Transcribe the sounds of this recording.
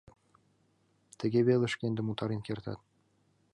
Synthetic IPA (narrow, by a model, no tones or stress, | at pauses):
t̪ɘ̆ɡʲeβʲelʲɘ̆ʃkʲenʲd̪ɘ̆mut̪ɑɾinʲkʲert̪ɑ̰t̪